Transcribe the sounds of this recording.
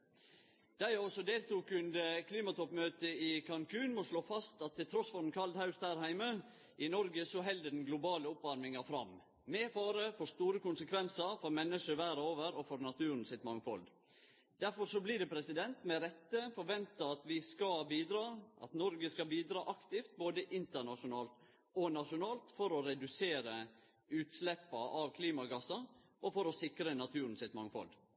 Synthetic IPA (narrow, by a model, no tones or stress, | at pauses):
d̪̥æɪɔsɔd̪eːlt̪uːkʉnd̪əkʰliːmɑt̪ʰɔpːmøːt̪əɪkʰɑŋkʰʉːnmosloːfɑst̪ɑt̪ʰːɪlt̪ʰɾɔsfɔɾn̩kʰɑld̪hɑʉsd̪æːɾhæɪmə | ʔɪnɔɾɡəsɔɦɛld̪əɖɛn̩ɡlʊbɑːləʊpʋɑɾmɪŋɑfɾɑ̰m | meːfɑːɾəfɔɾʂt̪uːɾəkʊnsəkʰʋɛnsəɾfɔɾmɛnːəʂəʋæːɾəoːʋəɾɔfɔɾnɑt̪ʰʉːɾn̩sɪt̪mɑŋfɔ̰l | d̪̥æɾfɔɾʂɔblɪd̪ɛpʰɾɛsɪd̪ɛnt̪mɛɾɛt̪ːəfɔɾʋɛnt̪ɑɑt̪ʋɪskɑbiːd̪ɾɑːʔɑ̰t̪nɔɾɡəskɑbiːd̪ɾɑːʔɑkt̪ɪft̪̚boːd̪əʔɪnt̪əɾɳɑʂʊnɑːlt̪ | ɔnɑʂʊnɑːlt̪fɔɾɔɾɛd̪ʉseːɾə | ʉːt̪slɛpːɑʔɑʋkʰliːmɑɡɑsɑ | ʔɔfɔɾɔsɪkɾənɑt̪ʰʉːɾn̩sɪt̪mɑŋfɔ̰l